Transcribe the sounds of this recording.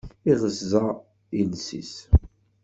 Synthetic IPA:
iʁəzːa | insḭs

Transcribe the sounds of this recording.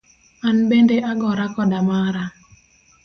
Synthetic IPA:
anbendeʔaɡɔɾakɔdamaɾa

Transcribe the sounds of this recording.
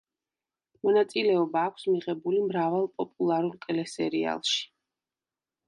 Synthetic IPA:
mɔnat̪sʼilɛɔbaːkʷʰsmiʁɛbulimɾavalˠpʼɔpʼulˠaɾulkʼɛlɛsɛɾia̰lˠʃi̥

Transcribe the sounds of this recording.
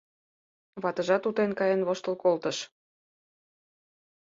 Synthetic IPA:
βɑt̪ə̆ʒɑt̪ut̪enkɑjenβoʃt̪əlkolt̪ə̆ʃ

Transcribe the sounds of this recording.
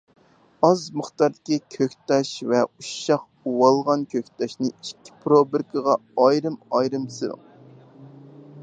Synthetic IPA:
ɑzməχt̪ɑɾd̪ɪkʲikʲʰøkʲt̪ɑʃvɛuʃɑq | uwɑlˠʁɑnkʲʰøkʲt̪ɑʃnɪiʃkʲʰːi̥pʰɾobɨɾkʰəʁɑɑjɾɨmɑjɾɨmsɨɾɨ̰

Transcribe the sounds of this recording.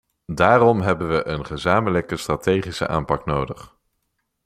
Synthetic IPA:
daːrɔmɦɛbənʋəʔənχəzaːmələkəstraːtejχisə̰ʔa̰ːmpɑknowdəχ

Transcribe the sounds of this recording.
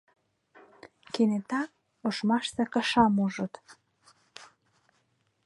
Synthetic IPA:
kenet̪ɑk | oʃmɑʃsĕkə̆ʃɑmuʒə̆t̪

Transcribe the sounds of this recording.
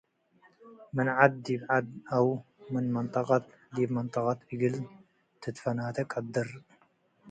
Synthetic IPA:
mɨnʕad̪̚ːiːbʕad̪̚ʔawmɨnmɨnt̪ˤɑqɑt̪ | d̪iːbmɨnt̪ˤɑqɑt̪ʔɨɡɨl | t̪ʰɨt̪fɐnaːt̪ʰɐkʼad̪ːɨɾ

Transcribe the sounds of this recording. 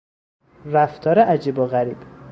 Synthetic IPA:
ræft̪ʰɒːɾeʔæd͡ʒiboɣæɾiːb̥

